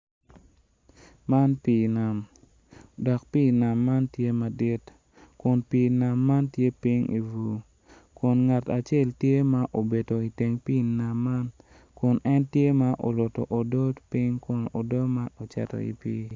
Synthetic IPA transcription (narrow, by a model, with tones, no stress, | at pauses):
ma˦npi˦˨na˨m | dɔ˨k̚pi˦na˨mːa˦ntje˦ma˨dɪ˦t | kʊ˨npi˨na˨mːa˦ntje˦pi˦ŋḭ˨vu˨ | kʊ˨nŋa˨ta˨t͡ʃe˦˨ltje˦ma˦ʔo˨be˨do˨i˨te˨ŋpi˦na˨mːa˦n | kʊ˨nɛ˦ntje˦ma˦ʔo̰˨lʊ˨tɔ̰˨ʔo˨dɔ˦tpi˦ŋkʊ˨no˨dɔ˦ma˦no˨t͡ʃa̰˨to̰˨ḭ˨pḭː˦